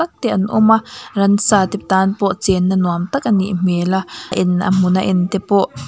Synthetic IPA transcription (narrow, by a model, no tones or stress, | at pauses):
ɐk̚t̪ɛʔɐnʔʊ̰marɐnsaːt̪ip̚t̪aːnpɔʔt͡sɛnːɐnuamt̪ɐk̚anḭʔm̥elaʔɪnʔa̰m̥ʊnaʔɪnt̪ɛpɔʔ